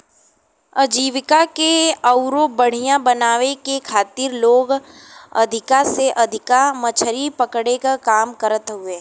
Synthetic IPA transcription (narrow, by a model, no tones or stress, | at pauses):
əd͡ʒiːʋɪkakeəʊɾobəɽ̤ijãbɐnaːʋekekʰaːt̪iɾloːɡ | ɐ̰d̪ʱɪkaseʔɐd̪ʱɪkamɐt͡ʃʰəɾipəkɽekakaːmkəɾət̪ɦʊeː